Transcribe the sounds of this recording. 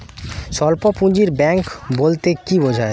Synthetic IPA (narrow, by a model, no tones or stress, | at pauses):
ʃɔlpopũɲd͡ʑiɾbɛŋkbolt̪ekibod͡ʑʱae